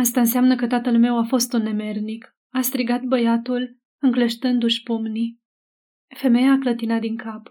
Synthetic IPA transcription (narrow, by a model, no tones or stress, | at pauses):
ast̪aɨnseamnəkət̪at̪əlme̞wafo̞st̪unːe̞me̞rnik | ast̪ɾiɡat̪̚bəjat̪ul | ɨŋkləʃt̪ɨnd̪uʃʲpumni | fe̞me̞jaːklət̪inat̪̚d̪iŋkap